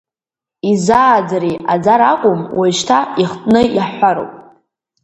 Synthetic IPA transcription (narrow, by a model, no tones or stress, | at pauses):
izaːd͡zaɾiad͡zaɾakʷʼʊmwʔajʃtʰaiχtʼnɨiħʷaɾo̰wpʼ